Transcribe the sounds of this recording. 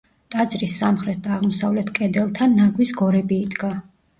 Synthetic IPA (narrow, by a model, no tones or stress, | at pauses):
t̪ʼad̪zɾisːamχɾɛt̪̚d̪aːʁmɔsavlɛt̪ʰkʼɛd̪ɛlˠt̪ʰanːaɡwisɡɔɾɛbiːd̪ɡa